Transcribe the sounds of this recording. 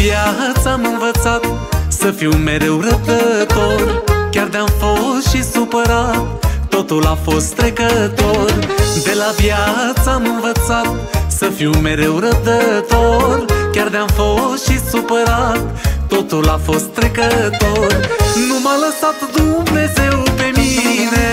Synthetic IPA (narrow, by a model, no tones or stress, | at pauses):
vjat̪samɨnvət̪sat̪ | səfime̞ɾe̞wɾəd̪ət̪o̞rkʲard̪eamfo̞sʃisupəɾat̪ːo̞t̪ulafo̞st̪ːɾe̞kət̪o̞rd̪e̞lavjat̪saamɨnvət̪sat̪̚ | səfiume̞ɾe̞wɾəd̪ət̪o̞rkʲard̪eamfo̞sʃisupəɾat̪ːo̞t̪ulafo̞st̪ːɾe̞kət̪o̞rnumaləsat̪d̪umne̞ze̞wpe̞mine̞